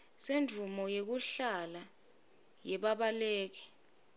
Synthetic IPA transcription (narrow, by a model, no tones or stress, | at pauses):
send͡vʱumɔjek̬uɬala | jɛɓaɓaleːk̬ɛ̥